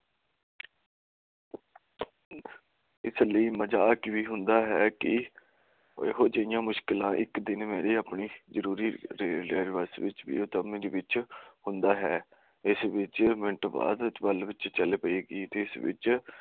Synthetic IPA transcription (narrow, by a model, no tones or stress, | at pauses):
ɪsləiːməd͡ʒaːkʋiːɦʊ̃nd̪aːɦɛːkɪ | ḛɦoːd͡ʒəɪjãːmʊʃkɪlãːʔɪkd̪ɪnmɛ̃ːɾeːaːpɳiːzəɾuːɾiːɾɾeːɾɪʋəsʋɪt͡ʃʋḭːʊt̪əmĩːd̪eːʋɪt͡ʃhʊ̃nd̪aːɦɛː | ɪsʋɪt͡ʃmɪɳʈba̰ːd̪bəlʋɪt͡ʃt͡ʃəleːpəeːɡeːt̪eːɪsʋɪ̰t͡ʃ